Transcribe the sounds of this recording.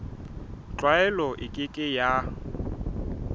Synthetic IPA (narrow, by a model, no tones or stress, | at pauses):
t͡ɬʼwaɛlɔʔɪkʼɪkʼɪja